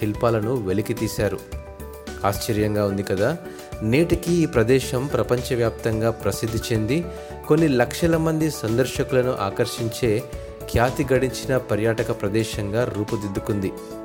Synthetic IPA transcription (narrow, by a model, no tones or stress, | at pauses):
ilpaːlɐnuʋe̞likit̪iːsaːɾu | aːʃt͡ʃɐɾjɐŋɡaːund̪ikɐd̪aː | neːʈikiːpɾɐd̪ɛːʃɐmpɾɐpɐɲt͡ʃɐʋjaːp̚t̪ɐŋɡaːpɾɐsid̪ʱːit͡ʃe̞nd̪i | ko̞nːilɐkʂɐlɐmɐnd̪isɐnd̪ɐɾʃɐkulɐnuʔa̰ːkɐɾʃiɲt͡ʃe̞ː | kʰjaːt̪iɡɐɽiɲt͡ʃinɐpɐɾjaːʈɐkɐpɾɐd̪ɛːʃɐŋɡaːɾuːpud̪id̪ːukund̪i